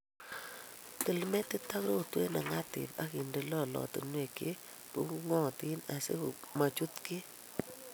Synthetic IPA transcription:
tə˨lmɛ˦ti˦ta˦kɾo˦˨twe˦na˨ŋa˦tɪ̰˨pa̰˨˦ki˨nde˨lɔ˦˨lɔ̰˨tə̰˨nwe˨ke˦ | pu˦ŋɔ˦˨ti˦na˨sḛ˦ku˨ma˨t͡ʃu˦tki˦

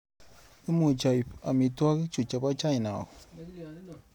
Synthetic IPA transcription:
i˦mu˨t͡ʃa˨jpa˨mi˨twa˦kt͡ʃu˨t͡ʃa˨pa˦t͡ʃa˦i˨na̰˨k

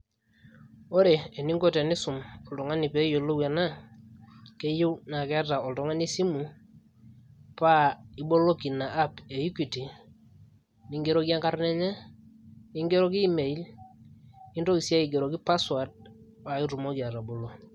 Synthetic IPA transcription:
o˦ɾeː˨ni˦ŋɡo˦tɛ˨nɪ˦sʊ˨mɔ˨ltɔ˨ŋa˦nɪ˨pe˦jo˨lo˦wɛ˨na˦ | ke˦je˦wna˨kɛ˦a˦ta˨ɔ˨ltɔ˨˦ŋa˦ni˦si˦mu˨ | pa˦ɪ˦ɓo˦lo˦ki˨na˨ʔːpe˨ji˦ki˨ti˨ | nɪ˦ŋɡe˦ɾo˦ki˦a˦ŋka˦ɾnɛ˦ɲɛ˦ | nɪ˦ŋɡe˦ɾo˦ki˦me˨i˦l | ɪ˦ndo˦ki˨sa˦i˨ɡe˨ɾo˨ki˦pa˦swa˨d̚ | pa˨i˦ɾu˨mo˦ki˨a˨ta˨bo˨lo˦

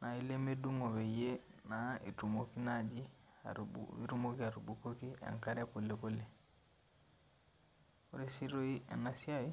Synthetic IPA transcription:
na˨i˦le˦me˦du˦ŋo˨βe˨je˦na˨ḛ˨tu˨mo˨ki˦na˦d͡ʒi˦a̰ḭ˦ɾu˦mo˦ki˦a˨ɾu˨bu˨ko˦ki˦ɛ̰˨ŋka˦ɾɛ˦po˨le˨ko˦le˨ | o˦ɾe˦si˦ɾo˦i˦ɛ̰˨na˨si˦a˦i˦

